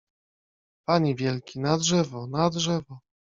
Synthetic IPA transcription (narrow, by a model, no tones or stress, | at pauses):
paɲivʲjɛlkʲinadʐɛvɔnadʐɛvɔ